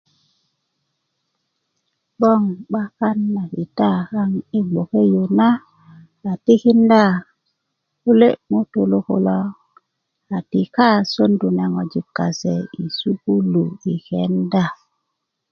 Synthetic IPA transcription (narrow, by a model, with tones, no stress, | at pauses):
ɓo˦˨ŋɓa˦ka˦nːa˨ki˨ta˦˨ha˦ŋi˦ɡ͡bo˨ke˦jo˨na˦ | a˨ti˦ki˦nda˦˨ | u˦le˦ʔmo˦to˨lo˦ko˨lo˦ | a˨ti˨ka˦so˦ndu˨na˨ŋo˨d͡ʒi˨kːa˨sḛ˨i˨su˦ku˦lu˨i˨ke˦nda˦˨